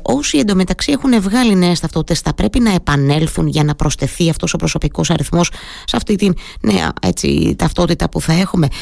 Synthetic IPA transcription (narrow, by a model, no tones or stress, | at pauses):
o̞siend̪omet̪ɐksie̞xune̞vɣɐline̞est̪ɐft̪o̞t̪i̥t̪e̞sθɐpɾe̞pinɐe̞pɐne̞lθunʝɐnɐpɾo̞st̪e̞θiɐft̪o̞so̞pɾo̞so̞piko̞sɐɾiθmo̞s | sɐft̪it̪innḛɐ̰e̞̰t͡sḭt̪ɐft̪o̞t̪it̪ɐpuθɐe̞xume̞